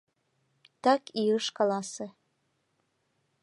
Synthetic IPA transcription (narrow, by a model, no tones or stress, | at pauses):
t̪ɑkiɤʃkɑlɑsĕ